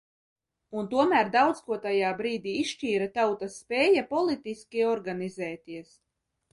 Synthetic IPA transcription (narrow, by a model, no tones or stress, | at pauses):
unt̪uɔmæːɾd̪awd̪skuɔt̪ajaːbɾiːd̪iːisʃt͡ʃiːɾat̪awt̪asːpɛːjapɔlˠit̪iskʲiɔɾɡanizɛːt̪iɛs